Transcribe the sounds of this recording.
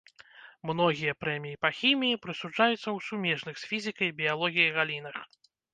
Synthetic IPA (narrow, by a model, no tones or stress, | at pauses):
mn̪ɔɣʲijɐpɾɛmʲijipɐxʲimʲijipɾɨsud͡ʐajut̪sːɐwsumʲɛʐnɨxsʲfʲizʲɨkɐjbʲijalˠɔɣʲijijɣalʲinɐx